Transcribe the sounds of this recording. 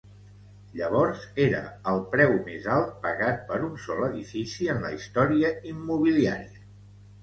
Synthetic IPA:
ʎəβ̞ɔɾzeɾə̰əlˠpɾɛwmezalˠt̪̚pəɣat̪̚pəɾunsɔləðifisiənləist̪ɔɾiəimːuβ̞ilia̰ɾiə

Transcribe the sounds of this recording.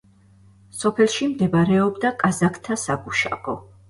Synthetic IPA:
sɔpʰɛlˠʃimd̪ɛbɾɛɔbd̪akʼazakʰt̪ʰasaɡuʃa̰ɡɔ

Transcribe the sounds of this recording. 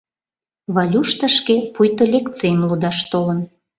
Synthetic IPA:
βɑlʲuʃt̪ə̆ʃkepujt̪olʲek̪t͡sejmlud̪ɑʃt̪olən

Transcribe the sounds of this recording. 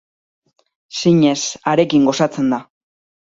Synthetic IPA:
siɲe̞saɾe̞kiŋɡo̞sat͡se̞nd̪a

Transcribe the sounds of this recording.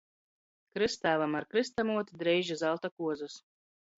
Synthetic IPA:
kɾɨst̪æːvˠamaɾkɾɨst̪amuɔt̪ʲid̪ɾɛjʒizalˠt̪akuɔzus

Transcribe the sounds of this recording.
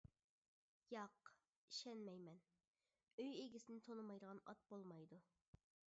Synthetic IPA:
jɑq | iʃɛnmɛjmɛn | øjeɡʲisɪnɪt̪ʰonɨmɑjd̪əʁɑnɑ̰t̪̚bolˠmɑjd̪u

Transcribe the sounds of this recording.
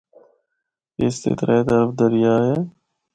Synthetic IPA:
ɪst̪ḛt̪ɾaet̪əɾəfd̪əɾɪjaːɦɛː

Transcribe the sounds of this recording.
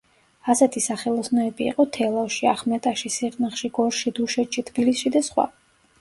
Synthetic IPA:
asɛt̪ʰisaχɛlˠɔsnɔɛbḭːqʼɔt̪ʰɛlˠaʃiaχmɛt̪ʼaʃisiɾʼniχʃiɡ̥ɔɾʃid̪uʃɛt̪ʃit̪ʰbilisʃid̪asχwa̰

